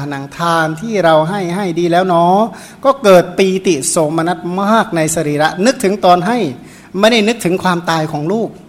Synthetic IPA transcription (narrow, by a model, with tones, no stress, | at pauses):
na˩˦ŋt̪ʰaː˧nt̪ʰiː˥˩ɾa˧wɦa˥˩jɦa˥˩jdiː˧lɛː˦˥wnɔː˦˥ | kɔː˥˩kɤː˨˩t̪̚piː˧t̪i˨˩t̚so˨˩ŋma˧na˦˥t̪̚maː˥˩k̚na˧jsa˧ɾiː˨˩ɾa˦˥ʔnɯ˦˥k̚t̪ʰɯ˩˦ŋt̪ɔː˧nɦa˥˩j | ma˥˩jda˥˩jnɯ˦˥k̚t̪ʰɯ˩˦ŋkʰwaː˧mt̪aː˧jkʰɔː˩˦ŋluː˥˩k̚